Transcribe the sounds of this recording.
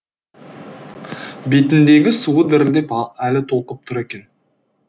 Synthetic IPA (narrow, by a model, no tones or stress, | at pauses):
bet̪ɪnd̪e̞ɡʲɪsuəd̪ɪɾɪld̪e̞pælɪt̪ʰo̞lˠqəp̚t̪ʰʊɾe̞kʲe̞n